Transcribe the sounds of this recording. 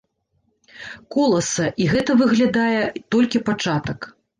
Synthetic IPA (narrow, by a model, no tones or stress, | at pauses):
kɔlˠɐsɐʔiɣɛt̪ɐvɨɣlʲad̪ajɛt̪ɔlʲkʲipat͡ʂat̪ɐk